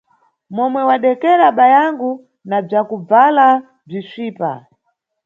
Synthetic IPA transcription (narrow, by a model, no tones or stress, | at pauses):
mɔmwɛwaɗɛkɛɾaɓajaŋɡu | nab͡ʐakub͡vala | b͡ʐiʃiːpa̰